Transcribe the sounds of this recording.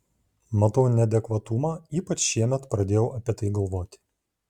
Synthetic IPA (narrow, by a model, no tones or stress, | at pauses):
mɐt̪ɐʊnʲɛd̪ʲɛkʋɐt̪ʊmɑiːpɐt͡ʃʃʲiɛmʲɛt̪pɾɐd̪ʲeːjɛʊʔɐpʲiɛt̪ɐɪɡɐlˠʋoːt̪ʲɪ̥